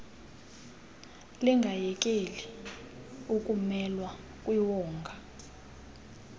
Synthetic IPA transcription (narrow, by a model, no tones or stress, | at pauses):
liŋɡʱajɛk̬ʼeli | ukʼumɛlwa | kʼwiwɔːŋɡʱa